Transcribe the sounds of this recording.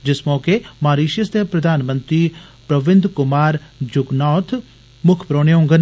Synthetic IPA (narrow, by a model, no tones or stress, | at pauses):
d͡ʒɪsmɔːkemaːɾiːʃəst̪epɾɐd̪ʱaːnmə̃nt̪ɾiː | pɾɐʋɪ̃nd̪ʱkʊmaːɾd͡ʒʊɡnɔːt̪ʰ | mʊkʰpɾoːɽ̃jõːŋɡən